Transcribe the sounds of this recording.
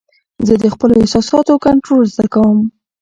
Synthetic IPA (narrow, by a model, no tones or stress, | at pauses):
zəd̪əxpəloehsɑsɑt̪oakaɳʈɾolzd̪akawəm